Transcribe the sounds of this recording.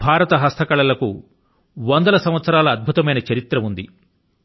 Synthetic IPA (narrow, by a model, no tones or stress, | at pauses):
bʱaːɾɐt̪ɐɦɐst̪ʰɐkɐɭɐlɐku | ʋɐnd̪ɐlɐsɐm̃ʋɐt̪sɐɾaːlɐːd̪̚bʱut̪ɐmɐjnɐt͡ʃɐɾit̪ɾɐund̪i